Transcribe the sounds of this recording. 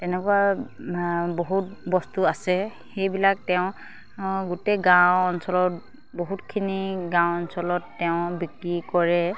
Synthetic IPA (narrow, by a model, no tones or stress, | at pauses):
tɛnɛkua | boɦut̚bɔstuasɛ | xejbilak̚tɛʊ̃ | ɡuteɡawɔnsɔlɔt̚ | boɦutkʰiniɡãw̃ɔnsɔlɔtːɛʊ̃bikɹikɔɹɛ